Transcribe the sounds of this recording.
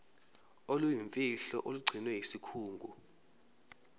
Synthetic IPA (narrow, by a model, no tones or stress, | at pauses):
olujiɱfʼiɬɔ̰ʔoluɡ͡ǀʱinwɛɦisikʰuːŋɡʱu